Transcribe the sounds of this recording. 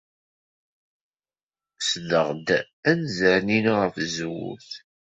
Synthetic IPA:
sðəʁd̪ | ænzæɾninʁəfzwṵθ

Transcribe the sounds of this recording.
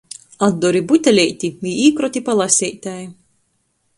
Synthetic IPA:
ad̪ːɔɾibut̪ʲalʲɛjt̪ʲiviiːkɾɔt̪ʲipalˠasʲɛjt̪ʲaj

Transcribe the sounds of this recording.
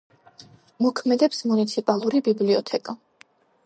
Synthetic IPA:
mɔkʰmɛd̪ɛpsmunit̪sʰipʼalˠuɾibibliɔt̪ʰɛkʼa

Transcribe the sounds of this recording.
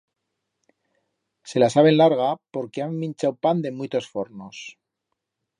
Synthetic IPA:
se̞lasaβ̞e̞nlaɾɣapo̞ɾke̞amːĩnt͡ʃawpand̪e̞mwijt̪o̞sfo̞ɾno̞s

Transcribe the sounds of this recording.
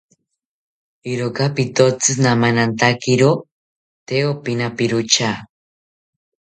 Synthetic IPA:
iɾokapit̪ot͡sɨsnamanant̪akiɾo | t̪eopinapiɾut͡ʃa

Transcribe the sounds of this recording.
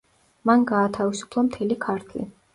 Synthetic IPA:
manɡaːt̪ʰavisu̥pʰlˠamt̪ʰɛlikʰaɾt̪ʰlḭ

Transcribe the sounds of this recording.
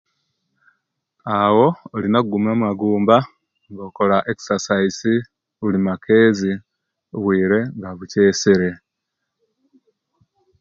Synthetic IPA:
awo̞ːlinakuɡumamwaɡuːmba | ŋɡoko̞laʔeksasaisi | ulimakʰe̞ːzi | βwiːɾe̞ŋɡaβuce̞ːseɾe̞

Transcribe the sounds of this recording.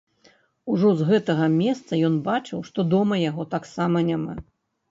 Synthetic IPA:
uʐɔzɣɛt̪ɐɣɐmʲɛst̪sɐjɔnbat͡ʂɨwʂt̪ɔd̪ɔmɐjaɣɔt̪aksamɐnʲama̰

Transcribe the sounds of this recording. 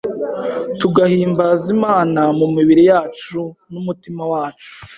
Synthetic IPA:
tuɡahiːmbazimaːnamumiβiɾijaːt͡ʃunumutimawaːt͡ʃu̥

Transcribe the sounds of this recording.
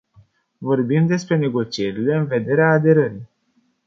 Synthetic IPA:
vo̞rbimd̪e̞spɾe̞ne̞ɡo̞t͡ʃie̞ɾile̞ɨnve̞d̪e̞ɾeaːd̪e̞ɾəɾij

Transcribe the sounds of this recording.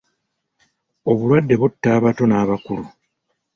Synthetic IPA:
o̞βulwadːe̞βutːaːβato̞naːβakulu

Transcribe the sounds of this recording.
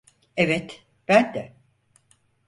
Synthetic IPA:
evɛt̪ | b̥ænd̪ɛ

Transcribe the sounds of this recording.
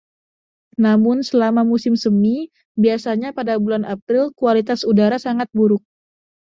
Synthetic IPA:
namʊnsəlamamusɪmsəmi | biasaɲapadabulanapɾɪlkualit̪asudaɾasaŋat̪̚buɾʊk̚

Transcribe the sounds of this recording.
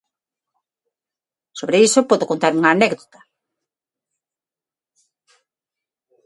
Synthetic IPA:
soβɾeisopɔðokont̪aɾuŋaːnɛkðot̪ɐ̥

